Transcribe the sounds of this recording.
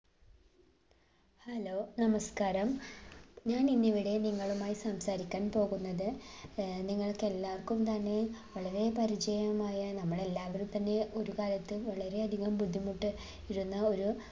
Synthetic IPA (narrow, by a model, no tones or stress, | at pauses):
hɐlo̞ːnɐmɐskaːɾɐm | ɲaːninːiʋiɽe̞niŋːɐɭumaːjisɐmsaːɾikʲːaːnpo̞ːɣunːɐðɨ | niŋːɐɭke̞lːaːrkumt̪ɐnːe̞ʋɐɭɐɾe̞pɐɾit͡ɕɐjɐmaːjɐnɐmːɐɭe̞lːaːʋɐɾumt̪ɐnːe̞ʔo̞ɾukaːlɐt̪ːɨʋɐɭɐɾe̞ɐd̪ʱiɣɐmbud̪ʱːimuʈːɨ | iɾunːɐo̞ɾu